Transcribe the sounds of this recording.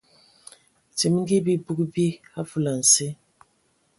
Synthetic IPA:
ti˨m˦ŋ̩˦ɡi˦bi˦bu˦kbi˦a˦fu˦˨la˨n̩˨se˦

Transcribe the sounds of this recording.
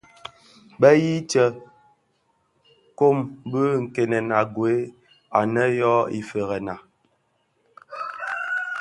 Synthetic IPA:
bɛ˦ji˦t͡ʃɛ˨ | ko˦˨mbə˦ŋ̩˨ke˨nɛ˨na˨ɡwe˨˦ | a˨nɛ˦jɔ˦ḭ˨fe˨ɣɛ˨na˨

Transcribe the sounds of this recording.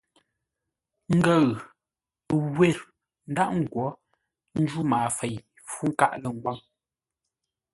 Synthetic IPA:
ŋ̩˦ɡə˦˨ɣ | ɡwe˦˨ɾ | n̩˦da˦ʔŋ̩˨ɡwɔ˨˦ | n̩˦d͡ʒu˦maː˨fe˨j | fu˦ŋ̩˦ka˦ʔlə˨ŋ̩˨ɡwa˦ŋ

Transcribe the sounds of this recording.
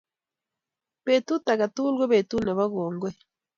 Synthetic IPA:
β̥e˨t̪u˦t̪a˨ɣa˨tu˦lɡe˦βe˨t̪u˦ne˨βa˦ɣoː˨ŋɡwe˦

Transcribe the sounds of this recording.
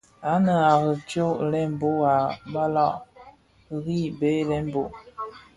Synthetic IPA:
a˨˦nə˨a˨ɣə˨t͡ʃo˦ʔlɛ˦m˦bo˦a˨ba˦lɔ˦˨ʔ | ɣi˦˨be˦lɛ˦m˦bo˨ʔ

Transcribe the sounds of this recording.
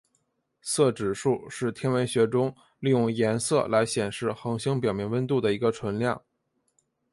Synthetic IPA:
sɤ˥˩ʈ͡ʂɻ̩˨˩ʂu˥˧ʂɻ̩˥˩t̪ʰjɛ˥nwə˧˥nɕɥɛ˧˥ʈ͡ʂʊ˥ŋ | li˥˧jʊ˥˩ŋjɛ˧˥nsɤ̰˥˩la˧˥ɪɕjɛ˨˩nʂɻ̩˥˩xɤ˧˥ŋɕi˥ŋp̬jɑ˨˩ʊmjɛ˧˥nwə˥nt̪u˥˩d̪ə˩i˧˥ɡə˧ʈ͡ʂʰwə˧˥nljɑ˥˩ŋ

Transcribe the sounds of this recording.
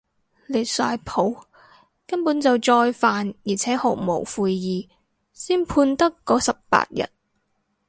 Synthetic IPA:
le˨˩jsaː˧jpʰo˨˥w | kɐ˥npuː˨˥nt͡sɐ˨wt͡ʃɔː˧jfaː˨njiː˨˩t͡sʰɛː˨˥ho˨˩wmo̰˨˩wfuː˧jjiː˨˩ | siː˥npʰuː˧nt̪ɐ˥kːɔː˨˥sɐ˨p̚pa̰ː˧t̚jɐ̰˨˩t̚

